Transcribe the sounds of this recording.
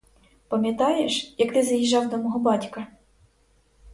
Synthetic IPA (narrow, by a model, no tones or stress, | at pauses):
pɐmʲjɐt̪ɑjeʃjɐkt̪ɪzɐjiʒɑwd̪ɔmɔɦɔbɑtʲkɐ